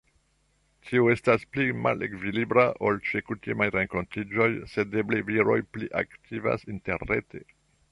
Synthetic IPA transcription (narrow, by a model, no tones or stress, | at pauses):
tʰiue̞stasplima̰lḛkvilibɾaʔo̞lt͡ʃekutimajɾeŋko̞ntid͡ʒo̞jse̞de̞bleviɾo̞̰jpliʔa̰ktʰiva̰sinte̞ɾnḛte̞̰